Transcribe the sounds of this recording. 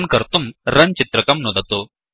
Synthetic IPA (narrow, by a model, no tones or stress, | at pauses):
nkɐɾt̪umɾənt͡ɕit̪ɾɐkɐmnod̪at̪o